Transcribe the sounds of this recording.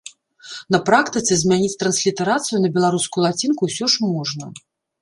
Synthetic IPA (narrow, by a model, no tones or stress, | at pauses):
nɐpɾakt̪ɨt̪sɛzʲmʲanʲit͡sʲt̪ɾɐnsʲlʲit̪ɛɾat̪sɨjunɐbʲɛlˠaɾuskujulˠat͡sʲinkusʲɔʂmɔʐnɐ